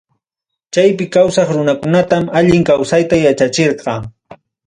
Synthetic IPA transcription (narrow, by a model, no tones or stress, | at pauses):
t͡ʃajpɪkawsɑχɾʊnakʊnat̪amaʎɪŋkawsajt̪ajat͡ʃat͡ʃeɾɢɑ